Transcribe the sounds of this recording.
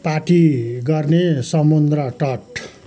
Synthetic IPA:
paʈiɡʌrnesʌmund̪rʌʈʌʈ

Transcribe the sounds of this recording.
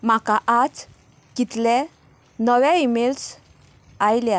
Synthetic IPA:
makaʔat͡s | kit̪le | nəwɛimels | ajlja

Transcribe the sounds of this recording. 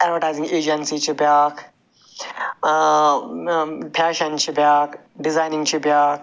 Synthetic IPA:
ɛɖʋəɾʈajzĩŋɡeːd͡ʒənsit͡ʃibjak | pʰaːʃənt͡ʃibjaːkɖizajnĩŋɡt͡ʃʰibjak

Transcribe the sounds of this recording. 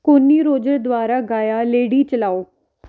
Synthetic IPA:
konːiːɾoːd͡ʒəɾd̪ʊwaːɾaːɡaːjaːleːɽiːt͡ʃəlaːoː

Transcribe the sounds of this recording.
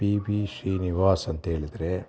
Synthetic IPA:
piːbiʃɾiːniʋaːsɐnt̪ɦeːɭid̪ɾe

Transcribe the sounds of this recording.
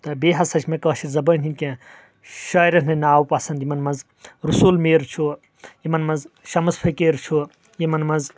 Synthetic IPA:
t̪ɐbeːɦɐsɐt͡ʃʰmẽkɐːʃiɾzɐbɐnʲt̪ʲʰinʲkʲẽ | ʃɐːjɾɐnʰnɐnaːwpɐsɐnd̪imɐnmɐnz | ɾusulmeːɾt͡ʃʰu | jimɐnmɐnzʃɐmɐspʰɐkeːɾt͡ʃʰu | jimɐnmɐnz

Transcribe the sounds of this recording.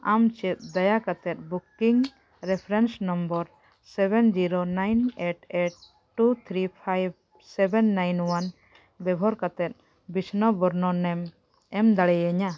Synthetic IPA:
amt͡ʃɛt̪̚d̪ajakat̪ɛt̪̚bukiŋ | ɾɛpʰɾɛnsnɔmbɔɾ | sɛbɛnd͡ʒiɾonajneʈeʈ̚ | ʈːut̪ʰɾipʰajb̚ | sɛbɛnːajnwan | bɛbʱɔɾkat̪ɛt̪̚ˀ | bisnɔbɔɾnɔnɛm | ɛmd̪aɽɛjɛɲa

